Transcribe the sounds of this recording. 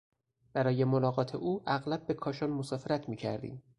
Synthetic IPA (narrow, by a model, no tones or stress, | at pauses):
b̥æɾɒːjemolɒːɣɒːt̪ʰḛʔuːʔæɣlæb̚ːe̞kʰɒːʃɒːnmosɒːfeɾæt̪ʰmiːcʰæɾd̪ḭːm